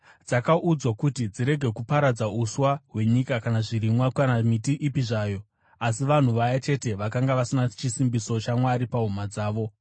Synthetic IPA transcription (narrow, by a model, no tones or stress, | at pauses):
d͡zakaʔud͡zwakutid͡ziɾe̞ɡʱe̞kupaɾad͡zauswaɦwe̞ɲikakanaʐiɾimwaanamitiʔipiʐaːjo̞ | as̬iʋan̤uʋajat͡ʃe̞te̞ʋakaŋɡaʋasinat͡ʃisimbiso̞t͡ʃamwaɾipaɦumad͡zaːʋo̞